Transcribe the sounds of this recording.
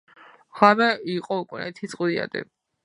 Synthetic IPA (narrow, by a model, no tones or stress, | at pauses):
χwamɛiqʼɔukʼunɛt̪ʰit̪sʼqʼwd̪ia̰d̪ɛ̰